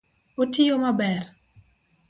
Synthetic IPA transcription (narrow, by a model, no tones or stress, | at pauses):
otijomabɛr